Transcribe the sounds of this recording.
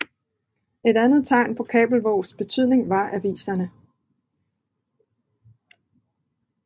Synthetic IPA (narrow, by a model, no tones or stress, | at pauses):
e̝ɾænð̞̩ˠt͡sʰɑ̈ɪnpʰɒ̽kʰɛ̰ːb̥l̩ʋɒʊ̰sb̥e̝t͡sʰyðˠne̝ŋʋɑ̈ʔæʋḭːsɐnə